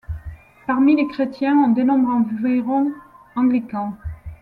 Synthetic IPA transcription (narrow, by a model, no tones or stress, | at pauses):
paʁmilekχet̪jɛ̃ɔ̃d̪enɔ̃bʁɑ̃veʁɔ̃ | ɑ̃ɡlikɑ̃